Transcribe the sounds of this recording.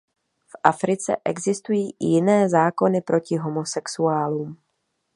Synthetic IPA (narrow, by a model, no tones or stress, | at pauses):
fʔafɾɪt͡sɛ̰ʔɛɡzɪst̪ujiːjɪnɛːzaːko̞nɪpɾo̞cɪɦo̞mo̞sɛksuaːluːm